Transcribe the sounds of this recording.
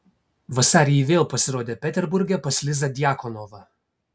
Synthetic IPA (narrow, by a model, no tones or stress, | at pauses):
ʋɐsɑːɾʲɪjɛʋʲeːlˠpɐsʲɪɾoːd̪ʲeːpʲɛt̪ʲɛɾbʊɾʲɡʲɛpɐsʲlʲɪzɐd̪ʲɪjaːkɔnɔʋɐ